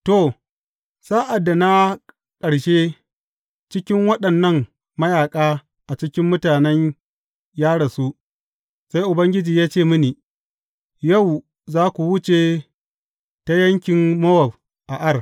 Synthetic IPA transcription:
to˨ | saː˦ʔa˨dːa˨na˦ | kʼɐ˨ɽʃeː˦ | t͡ʃɪ˦kʲɪ˦ŋwɐ˦ɗɐ˨nːɐ˦ŋ | mɐ˦jaː˨kʼaː˦ | ʔa˨t͡ʃɪ˦kʲɪ˦mːʊ˦taː˨nɛ˦ɲ | jaː˦ɽɐ˨su˦ʔ | sa˦jʔʊ˨bɐ˦ŋɡʲɪ˦d͡ʒiː˨jaː˦t͡ʃeː˦˨mʊ˦niː˨ | jɐ˦˨w | zaː˦kʷu˨wʊ˦t͡ʃe˨ | ta˦jɐ˦ŋkʲɪ˨mmɐ˦wɐ˨b̚ | ʔa˨ʔa˦r

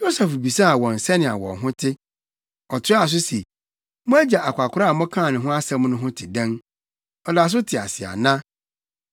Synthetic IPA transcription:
jo˦sɛ˨fbi˨sa˦a˨wɔ̃˨n̩˨sɛ˦nɪ̃˨a̰˨wɔ̰̃˨ɦʊ̃˦tʰɪ˦ | ɔ˨tʰɪ˦a˨s̬ʊ˦se˨ | mʊ̃˦æ˦d͡ʑa˨ʔa˨kʷa˨kʰʊ˦ɾa˦a˨mɔ̃˦kʰãː˦˨nɪ̃˨ɦʊ̃˦a˦sɛ˦m̃˦nʊ̃˦ɦʊ̃˦tʰɪ˨dɛ̃˦n | ɔ˨da˨s̬ʊ˦tʰɪ˨a̰˨sɪ˨a̰˨nã˦

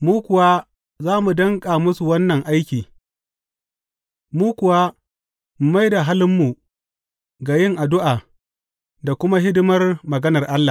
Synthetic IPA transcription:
muː˦kʷʊ˨wa˦ | zaː˦mu˨dɐ˦ŋkʼaː˨mʊ˦su˨wɐ˦nːɐ˨ŋʔa˦jkʲiː˨ | muː˦kʷʊ˨wa˦ | m̩˨ma˦jda˨ɦa˦lɪ˦mːu˨ | ɡa˨jɪ˦ŋʔa˨dʊ˦ʔaː˨ | da˨kʷʊ˦ma˦ɦɪ˦dʊ˦mɐ˦rmɐ˨ɡɐ˦nɐ˨rʔa˦lːa˨

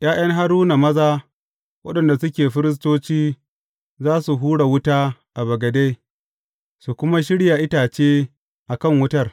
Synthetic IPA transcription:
j̰aː˦j̰ɐ˦ŋɦa˦ɽuː˦na˨mɐ˦zaː˦ | wɐ̰˦ɗɐ˨nda˨sʊ˦kʲeː˨ɸɪ˦ɾɪ˦s̬toː˦t͡ʃiː˦ | zaː˦su˨ɦuː˦ɽa˨wʊ˦taː˦ʔa˨bɐ˨ɡɐ˨de˦ | su˨kʷʊ˦ma˦ʃ̬ɪ˦ɽja˨ʔɪ˦taː˨t͡ʃeː˦ | ʔa˨kɐ˦˨ŋwʊ˦tɐ˦˨r

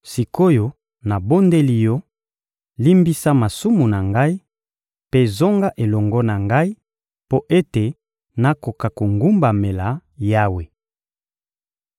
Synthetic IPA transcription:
si˨ko˦jo˦ | na˨bo˦nde˦li˦jo˦ | li˦mbi˦sa˦ma˨su˦mu˨na˨ŋɡa˦i˦ | pe˦zo˦ŋɡa˦ʔe˨lɔ˨ŋɡɔ˦na˨ŋɡa˦i˦ | po˦ʔe˦te˨ | na˦ko˨ka˨ko˨ŋɡu˦mba˨me˨la˨ja˦we˨

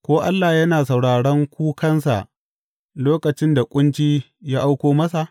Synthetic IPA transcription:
kʷoː˦ʔa˦lːa˨jɐ˦naː˨sa˨wɽaː˨ɽɐ˦ŋkʷu˦kɐ˦nsa̰˨ʔ | loː˦kɐ˨t͡ʃɪ˦nda˨kʷʼʊ˦nt͡ʃiː˦ | jaː˦ʔa˦wkʷoː˦mɐ˦sa˨ʔ

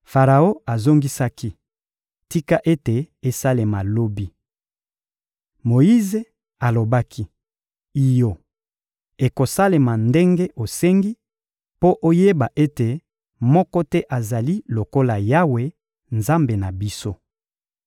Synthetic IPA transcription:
fa˨ʁa˨o˦a˨zo˦ŋɡi˦sa˦ki˦ | ti˦ka˦ʔe˦te˨e˦sa˦le˨ma˨lo˦bi˦ | mo˨i˦ze˨ | a˨lo˨ba˦kʰi˦ | i˨jo˨ | e˨ko˨sa˦le˨ma˨nde˦ŋɡe˦ʔo˨se˦ŋɡi˦ | po˦ʔo˦je˦ba˨ʔe˦te˨ | mɔ˦kɔ˦tɛ˦ʔa˨za˨li˦lo˨ko˦la˨ja˦we˨ | nza˦mbe˨na˨bi˦so˦

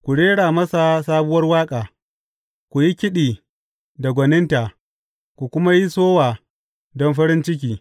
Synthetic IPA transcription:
kʷu˨ɽeː˦ɽaː˨mɐ˦sa˨saː˦bʊ˦wɐ˦rwaː˦kʼaː˨ | kʷu˨ji˦kʲɪ˦ɗiː˨ | da˨ɡʷɐ˨nɪ˦nta˨ | kʷu˨kʷʊ˦ma˦ji˦soː˦waː˨ | dɔ˦nɸɐ˦ɾɪ˦nt͡ʃɪ˦k̬ʲiː˨

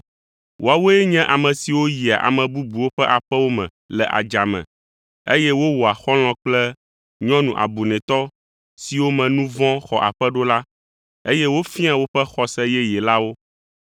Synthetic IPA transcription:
wʔo˦a˨wo˦ɛ˦ɲɛ̃˦ʔa˨mɛ̃˨si˨wo˦ji˨a˨ʔa̰˨mɛ̃˨bu˦bu˨wo˦ɸɛ˦ʔa˨ɸɛ˦wo˦mɛ̰̃˨ | lɛ˨ʔa̰˨d͡ʒa˨mɛ̰̃˨ | e˦jɛ˦wo˦wo˨a˨xɔ˦l̃ɔ̃˨k͡plɛ˦ | ɲɔ̃˦nũ˨ʔa̰˨bu˨nɛ̃˨t̪ɔ˦ | si˨wo˦mɛ̃˨nũ˦vɔ̃˦xɔ˨ʔa˨ɸɛ˦ɖo˦la˦ | e˦jɛ˦wo˦fĩ˦ã˦wo˦ɸɛ˦xɔ˦sɛ˦jɛ˦jɛ˨la˦wo˦

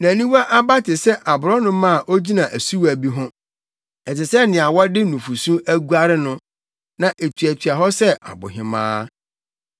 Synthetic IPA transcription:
nã˨nĩ˦wa˦ʔa˦ba˦tʰɪ˨sɛ˦ʔa˨bʊ˨ɾɔ˦nʊ̃˦mã˦˨ʔo˦d͡ʑi˦nã˨ʔæ˨su˦wæ˨bi˦ɦʊ̃˦ | ɛ˨tɪ˨sɛ˦nɪ̃˨a˨wɔ˦dɪ˦nũ˨fu˨sũ˦æ˦ɡu˦a˦ɾɪ˦nʊ̃˦ | nã˨ʔe˨tʰɥæ˨tʰɥa˨ɦɔ˦sɛ˦ʔa̰˨bʊ̰˨ɦɪ̰̃˨mã̰ː˦

